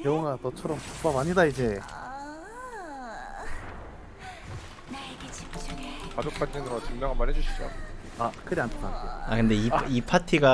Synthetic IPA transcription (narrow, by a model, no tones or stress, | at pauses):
teoŋatʌt͡ɕʰʌɾʌmtop͈abaɲidaid͡ʑe̞ | kad͡ʑok̚pʰand͡ʑʰinɯɾot͡ɕɯŋd͡ʑaŋamanɦed͡ʑuɕʰi̥t͡ɕo̰ | akʰɯɾiantʰananteakɯnde̞iipʰatʰiɡa